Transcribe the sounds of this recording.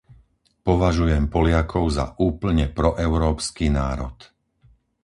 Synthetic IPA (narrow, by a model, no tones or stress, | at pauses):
pɔʋaʒujɛmpɔlɪakʰɔʊza̰ʔuːpl̩ɲɛpɾɔʔɛʊɾɔːpskiːnaːɾɔt̪